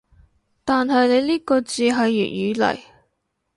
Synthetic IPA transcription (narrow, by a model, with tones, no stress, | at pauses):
t̪aː˨nɦɐ˨jne˨˧jliː˥kɔː˧t͡siː˨˧ɦɐ˨jːy̰˨˩t̚jyː˨˧lɐ̰˨˩j